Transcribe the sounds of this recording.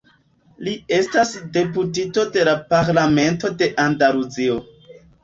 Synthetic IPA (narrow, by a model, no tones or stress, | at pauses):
lie̞stasde̞putito̞de̞lapaɾlame̞nto̞de̞ʔandaluzio̞